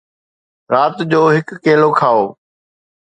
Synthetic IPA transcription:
ɾaːt̪d͡ʑoːɦɪkːeːlokʰaːoː

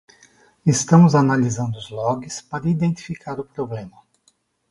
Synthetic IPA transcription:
est̪ɐ̃mʊzanalizɐ̃nd̪ʊʊzlɔɡɪspaɾɐid̪ẽnt̪i̥fikʰaɾʊpɾoblẽmɐ

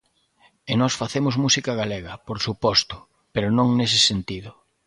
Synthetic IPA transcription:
enɔsfaθemʊzmusikɐɣaleɣɐpoɾsupɔst̪ʊ̥ | peɾʊnõŋnesɪsent̪iðʊ

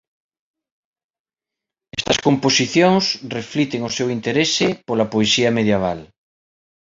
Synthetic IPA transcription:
ɛst̪ɐskomposiθjoŋsreflit̪eŋosewint̪eɾesɪpolɐpoesiɐmeðjeβ̞a̰l

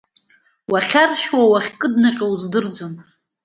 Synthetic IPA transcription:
waχʲarʃwawaχʲkʼɨdnaqʲʼawzdɨrd͡zom

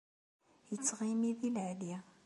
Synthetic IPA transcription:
jət͡sːʁimiðilʕli

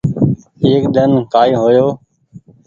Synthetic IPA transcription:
eːkɗ̪ənkaːiːɦoːjoː

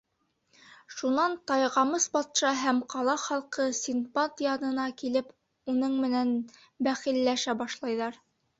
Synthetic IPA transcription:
ʃunɑnt̪ɑjʁɑmɤsbɑt̪ʃɑɦæmqɑlˠɑχɑlˠqɤsʲinpat̪jɑnɤ̆nɑkilɘp | unɤɴmɘ̆næn | bæχilːæʃæbɑʃlˠɑjðɑɾ

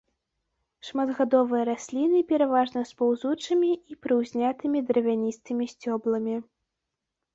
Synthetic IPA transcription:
ʂmad̪ɣad̪ɔvɨjɐɾasʲlʲinɨpʲɛɾavaʐnɐspawzut͡ʂɐmʲiipɾɨwzʲnʲat̪ɨmʲid̪ɾɐvʲanʲist̪ɨmʲisʲt͡sʲɔblˠɐmʲi

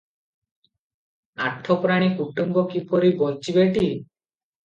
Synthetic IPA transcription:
aʈʰɔpɾaɽ̃ikuʈumbɔkipɔɾibolt͡ʃʰibeʈi

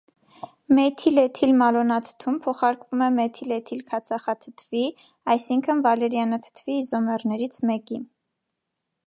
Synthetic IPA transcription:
mɛt̪ʰilɛt̪ʰilmɑlɔnɑt̪ʰə̥t̪ʰumpʰɔχɑɾkvumɛmɛt̪ʰilɛt̪ʰilkʰɑt͡sʰɑχɑt̪ʰət̪ʰvi | ɑjsiŋkʰənvɑlɛɾjɑnət̪ʰə̥t̪ʰviːzɔmɛrnɛɾit͡sʰmɛkin

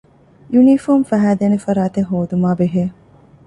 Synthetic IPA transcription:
junifoːmfæɦæːd̪eːnefɐɾaːt̪eŋɦoːd̪umaːbeɦeː

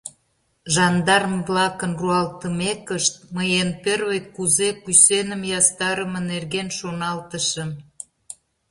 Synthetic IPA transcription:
ʒɑnd̪ɑrəmβlɑkənruɑlt̪əmekəʃt̪̚məjenperβəjkkːuzekysenəmjɑst̪ɑɾəmənerɣenʃonɑlt̪əʃəm

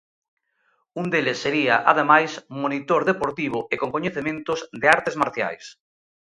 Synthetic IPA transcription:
und̪elesːeɾiaʔa̰ð̞emajsmonit̪oɾðepoɾt̪iβ̞oʔekoŋkoɲeθemẽnt̪ozðeaɾt̪ezmaɾθja̰js

